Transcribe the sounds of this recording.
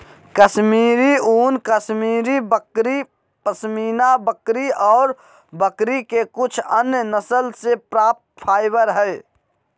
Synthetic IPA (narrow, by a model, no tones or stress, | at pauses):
kəsmiːɾiuːnkəsmiːɾiəkɾi | pəsmiːnabəkɾiʔɔːɾ | bəkɾikekʊt͡ʃʰənjənəsəlsepɾaːp̚t̪̚pʰaːɪbəɾɦɛː